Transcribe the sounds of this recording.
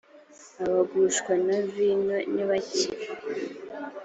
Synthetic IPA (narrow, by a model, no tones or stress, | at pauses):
aβaɡuʃkwanaviɲoniβaɟiɾ